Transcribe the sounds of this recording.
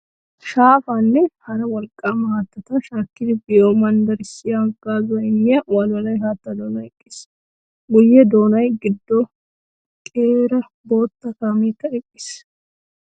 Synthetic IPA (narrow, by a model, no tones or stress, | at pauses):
ʃaːfanːɛhɐɾɐwɔlkʼːaːmaːt̪ːɐt̪ɐʃaːkːɪd̪ɪbɪjoːmɐnd̪ɐɾɪsɪjaŋkʼːaːzʊɐɪnːɪjɐwaːlwɐlɐjɦaːt̪ːɐd̪oːnɐɛkʼːɪs | ɡʊjːɛd̪o̞ːnɐjɡɪd̪ːo | kʼeːɾɐ | bo̞ːt̪ːɐkaːmiːkːɐɛkʼːɪ̥s